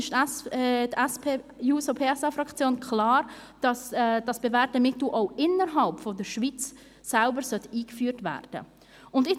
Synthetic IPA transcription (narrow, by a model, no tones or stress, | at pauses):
ɪʃ | dɛspejuːsopʰeːɛsafɾɑkt͡sjoːnkʰlaːɾd̥ɑsd̥ɑsb̥evɛɾt̚əmɪt̪l̩ʔoʊɪnəɾɦɑlpfɔdəɾʃvit͡sː | ælbəɾsœtiːkfyːɾtvæ̰ːrd̥ə̰ | ʊndɪ